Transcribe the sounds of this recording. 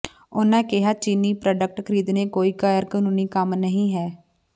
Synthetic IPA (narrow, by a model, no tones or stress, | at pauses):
ʊnãːkɪɦaːt͡ʃiːniːpɾaːɖək̚ʈkʰəɾiːd̪nẽːkoːiːkaːjəɾkənuːniːkəmnəɦĩːɦɛː